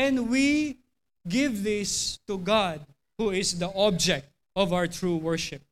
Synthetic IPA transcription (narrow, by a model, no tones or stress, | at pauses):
ɛ̃ndwi | ɡɪvðɪst̪uɡad̪̚ | huɪsd̪əʔɔb̚d͡ʒɛk̚t̪̚ | ɔvawə˞t̪ɹuwəɹʃɪp̚